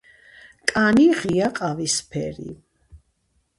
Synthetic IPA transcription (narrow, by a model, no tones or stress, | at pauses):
kʼaniʁiaqʼavispʰɛ̰ɾḭ